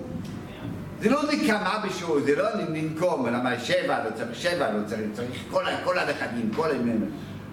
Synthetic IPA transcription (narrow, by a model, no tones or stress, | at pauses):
zelonikamabeʃuzeloninimkomlamaɾʃɛvalot͡saiχʃɛvalot͡saʁit͡saʁiχkolakolhaleχad̪imkolamem